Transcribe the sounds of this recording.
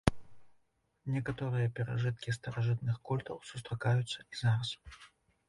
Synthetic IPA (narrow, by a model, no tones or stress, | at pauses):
nʲɛkat̪ɔɾɨjɐpʲɛɾa̰ʐɨt̪̚kʲist̪ɐɾaʐɨt̪̚nɨxkɔlʲt̪ɐ̰wsu̥st̪ɾakajut̪sːɐizaɾɐs